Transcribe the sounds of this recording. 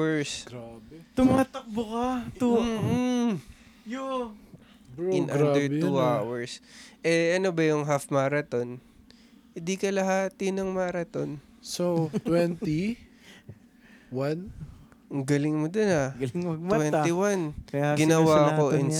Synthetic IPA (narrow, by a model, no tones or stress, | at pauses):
wɛɹsɡabt̪ʊmaːt̪ɐk̚bʊkɐt̪m̩ːh̩ | jo | ɪnʔand̪ɛɹt̪uawɛɹsʔɛɐnobɐjʊŋɦafmaːɾɐt̪o̞n | hɪnd̪ikɐlɐɦaːt̪ɪnɐŋmaɾɐt̪o̞n | sot̪wɛnt̪i | wanŋɡɐlɪŋmod̪onɐɡlɐɡ̚mɐtwɛniwanɡɪnɐwaɐko̞ʔɪn